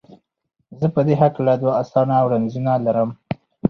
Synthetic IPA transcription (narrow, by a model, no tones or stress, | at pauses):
zəpəd̪eɦaklad̪waasɑnawɾanzunalaɾəm